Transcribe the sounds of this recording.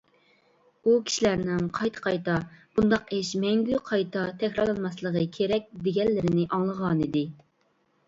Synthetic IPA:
ukʲʰi̥ʃilæɾnɪŋqʰɑjt̪ʰə̥qʰɑjt̪ɑb̥und̪ɑqeʃmɛŋɡʲyqʰɑjt̪ʰɑt̪ʰɛkʲɾɑlˠɑnmɑslˠəʁəkʲʰeɾɛk̚ʲd̪eɡʲɛlːɪɾɪnɪʔɑŋlˠəʁɑnid̪ɪ

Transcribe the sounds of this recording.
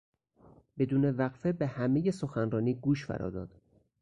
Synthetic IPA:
be̞d̪uːnevæɣfebehæme̞je̞so̞xænɾɒːniːɡuːʃfæ̰ɾɒ̰ːd̪ɒːd̪̥

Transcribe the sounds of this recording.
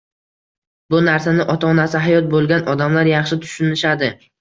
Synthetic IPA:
bʊnaɾsanɪʔɒt̪ʰaːnasɪɦajɒt̪̚bolˠɡʲanɒd̪amlaɾjɑχʃɪt̪ʰʊ̥ʃɪnɪʃad̪ɪ

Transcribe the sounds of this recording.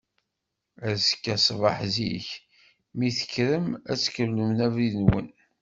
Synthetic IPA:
əɾsə̥kːæsvɑ̰ħzḭç | miθə̥kːɾəmæt͡sːkəlːəmnævɾinwə̰n

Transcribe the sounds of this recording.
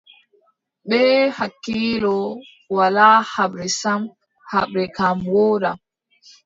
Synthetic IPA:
ɓɛːhakːiːlɔ | walaːhaɓɾɛsam | haɓɾɛkamwɔːɾa

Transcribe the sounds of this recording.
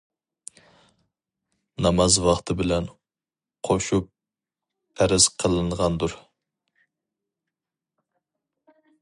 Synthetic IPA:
nɑmɑzwɑχt̪ʰɨbɪlɛn | qʰoʃup̚ːʰ | æɾɪz̥qʰəlˠɨɴʁɑnd̪ʊɾ

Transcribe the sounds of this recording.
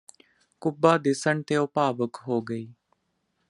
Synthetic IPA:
kʊbaːd̪ɪsəɳt̪eːʊpaːʋəkɦoːɡəiː

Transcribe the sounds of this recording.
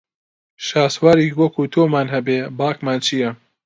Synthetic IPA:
ʃaːswaːɾiːwɐkʰuːt̪ʰoːmaːnɦɐbeːbaːkmaːnt͡ʃʰijɛ

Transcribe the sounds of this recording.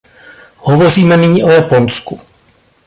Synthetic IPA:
hovo̞r̝iːmɛnɪɲiːʔojapo̞nsku

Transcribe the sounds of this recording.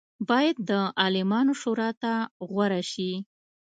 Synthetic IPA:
bɑjad̪̚ːəʔɑlɪmɑnoʃoɾɑt̪aɣwaɾaʃi

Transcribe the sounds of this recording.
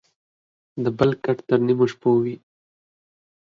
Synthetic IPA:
d̪əbəlkaʈt̪əɾnimoʃpowi

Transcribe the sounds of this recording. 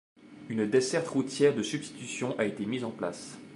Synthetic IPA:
ynd̪esɛʁt̪ʁut̪jɛʁd̪əsybst̪i̥t̪ysjɔ̃ʔaet̪emizɑ̃pla̰s

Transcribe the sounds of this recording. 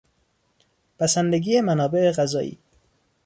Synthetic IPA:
pʰæsænd̪eɡiːjemænɒːbe̞eɣæzɒːʔḭː

